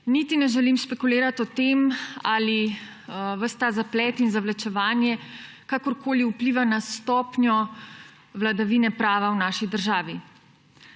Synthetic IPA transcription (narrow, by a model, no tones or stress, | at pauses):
nit̪inɛʒɛlimspɛkuleːɾat̪ɔt̪emali | ʋəst̪aːzaplɛːt̪inzaʋlat͡ʃɛʋaːnjɛ | kakɔɾkʰoːliupliːʋanast̪ɔːpnjɔ | ʋlad̪aʋiːnɛpɾaːʋawnaːʃid̪əɾʒaːʋi